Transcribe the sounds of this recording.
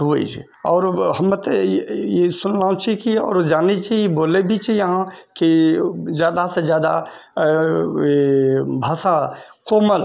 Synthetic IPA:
ɦuḛd͡ʒ | ɔːɾɦɐmẽt̪ejesʊnlaːũt͡ʃʰikiɔ̰ːɾd͡ʒaːnit͡ʃʰieboːlebʱit͡ʃʰijɐɦãkizjaːd̪asezjaːd̪a̰ | bʱaːsãkoːməl

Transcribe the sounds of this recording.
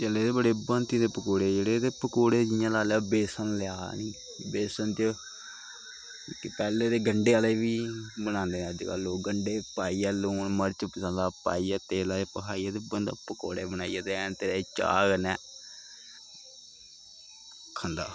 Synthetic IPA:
t͡ʃəleːt̪eːbəɽeːbənt̪it̪eːpəkoːɽeːd͡ʒeːɽeːt̪eːpəkoːɽeːd͡ʒɪjãːlaːlaːbeːsənlɪjaːniː | beːsənt͡ʃ | kɪpɛːleːd̪eːɡəɳɖeːaːleːʋiːbənãːnd̪eːnɛ̃d͡ʒka̰ːloːɡəɳɖeːpaːiːɛːloːnməɾt͡ʃəpːɪsãːlaːpa̰ːiːaːt̪eːlaːaːpəkʰaːijɛːt̪eːbənd̪apəko̰ːɽḛːbənaːijaːt̪eːɛnt̪eːɾaːt͡ʃa̰ːɡnɛː | kʰə̃nd̪a̰ː

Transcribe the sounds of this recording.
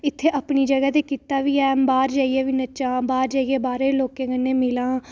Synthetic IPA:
ɪt̪ʰːeːʔapniːd͡ʒəɡaːt̪eːkiːt̪aːʋiːɛːbaːɾd͡ʒaːieːʋiːnət͡ʃãːbaːɾd͡ʒaːieːbaːɾeːloːkẽːkənːeːmɪlãː

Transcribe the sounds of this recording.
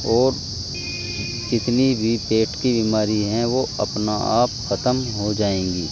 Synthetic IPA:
ɔːɾ | d͡ʒɪt̪nibʱipeːʈkibiːmaːɾiɦɛ̃ʋoɐ̰pnaa̰ːpxɐt̪əmɦod͡ʒaːẽːɡiː

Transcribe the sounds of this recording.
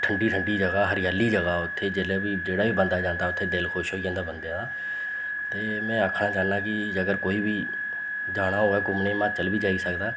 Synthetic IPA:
ʈʰəɳɖiːʈʰəɳɖiːd͡ʒəɡaːɦəɾɪjaːliːd͡ʒəɡaːʊt̪ʰːeːd͡ʒeːlaːbiːd͡ʒeːɽaːbiːbənd̪aːd͡ʒãːnd̪aːʊt̪ʰːeːd̪elkʰoːʃɦoːd͡ʒãːnd̪aːbənd̪eãːnd̪aː | t̪eːmɛ̃ːəkʰnaːt͡ʃaːnd̪aːkɪ | əɡəɾkoːiːbʱiː | d͡ʒaːɽ̃aːɦoːɛːkʊmnẽːmãːt͡ʃəlbʱiːd͡ʒaːiːsəkd̪aː

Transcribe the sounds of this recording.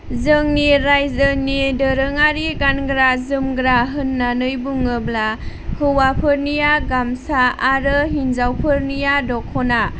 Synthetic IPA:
zɯŋniɾajzənidəɾɯŋaɾiɡanɡɾazɯmɡɾaɦɯnːanɯjbuŋɯbla | hɯwapʰɯɾnijaɡamsaːɾɯɦinzawpʰɯɾnijadɔkʰɔna

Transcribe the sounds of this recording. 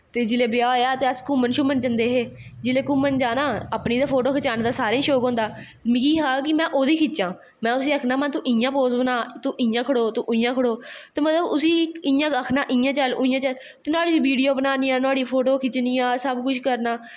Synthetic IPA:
t̪eːd͡ʒɪleːbɪjaːjaːt̪eːəskʊmənʃuːmənd͡ʒənd̪eːɦeː | d͡ʒɪleːkʊmənd͡ʒaːnaːəpniːd̪aːpʰoːʈoːkʰət͡ʃaːnːd̪aːsaːɾẽiːʃoːkɦõːnd̪aː | mɪɡiːɦaːkɪmɛ̃ːʔoːd̪iːkʰɪt͡ʃːt͡ʃãː | mɛ̃ːʊsiːəkʰnaːmənt̪ũːʔɪ̃jãːpoːsbənãːt̪ũːʔɪ̃jãːkʰəɽoːt̪ũʔʊ̃ijãːkʰəɽoːt̪eːmət̪ləbʊsiːɪ̃jãːəkʰnaːʔɪjãːt͡ʃəlːĩjãːt͡ʃəl | t̪ːnaːɽiːʋiːɖijoːbənaːniːãːnaːɽiːpʰoːʈoːkʰɪt͡ʃniːãːsəbkʊʃʰkəɾnaː

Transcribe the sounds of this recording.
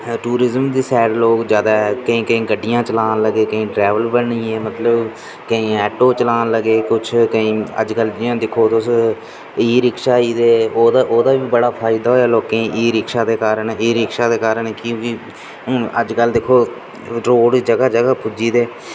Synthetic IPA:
ʈuːɾɪzəmd̪iːsɛːɽloːkd͡ʒjaːd̪aːɛkəĩːkəĩːɡəɖːɪjãːt͡ʃəlaːnləɡeːkəĩːʈɾɛːʋəlbəɳĩːeːmət̪ləb | kəĩːɛːʈoːt͡ʃəlaːnləɡeːkʊt͡ʃʰkəĩːə̰d͡ʒkəld͡ʒɪjãːd̪ɪkʰoːt̪ʊs | iːɾɪkʃaːiːd̪eːoːd̪aːʔoːd̪aːʋiːbəɽaːpʰaːɪd̪aːɦoːjaːloːkeːʔiːɾɪkʃaːd̪eːkaːɾəniːɾɪkʃaːd̪eːkaːɾəɳkɪʋiː | õːə̰d͡ʒkəld̪ɪkʰoː | ɾoːɽd͡ʒəɡaːd͡ʒəɡaːpʰʊd͡ʒiːd̪eː

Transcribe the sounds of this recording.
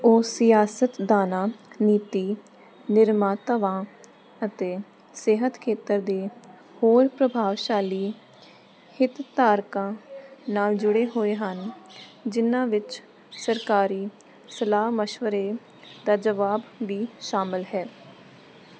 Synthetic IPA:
oːsɪjaːsət̪d̪aːnãːniːt̪iː | nɪɾmaːt̪əʋãː | ət̪eː | seːɦət̪kʰeːt̪əɾd̪eː | hoːɾpɾəbʱaːʋʃaːliː | hɪt̪t̪aːɾkãːnaːld͡ʒʊɽeːɦoːeːɦənd͡ʒɪnãːʋɪt͡ʃ | səɾkaːɾiː | səlaːɦməʃʋəɾeː | d̪aːd͡ʒəʋaːbʋiːʃaːmɪlɦɛː

